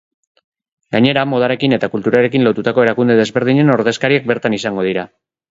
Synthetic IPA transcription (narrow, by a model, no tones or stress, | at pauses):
ɡaɲe̞ɾamo̞ð̞aɾe̞kine̞t̪akult̪uɾaɾe̞kinlo̞t̪ut̪ako̞e̞ɾakund̪e̞ðe̞zβe̞ɾð̞iɲe̞no̞ɾðe̞skaɾiek̚be̞ɾt̪anisaŋɡo̞ð̞iɾa